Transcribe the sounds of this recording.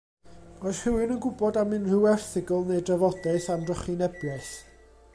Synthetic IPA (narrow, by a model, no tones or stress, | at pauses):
ɔjshɪwɪnənɡʊbɔdamɪnr̥ɪwɛrθɪɡəlˠnejdravɔdaɨθamdrɔχinɛbjaɨθ